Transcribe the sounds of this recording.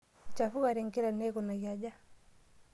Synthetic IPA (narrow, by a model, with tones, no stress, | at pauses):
t͡ʃa˨fu˦ɣa˨ɾɛ˨ŋki˦ɾa˨nɛ˦kɔ˨na˨ɣja˨d͡ʒa˦